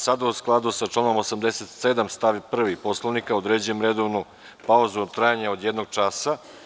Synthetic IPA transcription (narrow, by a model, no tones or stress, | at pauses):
sad̪ausklˠad̪usat͡ʃlˠano̞mosamd̪eset̪sed̪amst̪aʋipr̩ʋipo̞slˠoʋnikaod̪ɾeːd͡ʑujemɾed̪o̞ʋnu | pauzuot̪ɾajaɲaod̪jed̪noɡ̚t͡ʃaːsa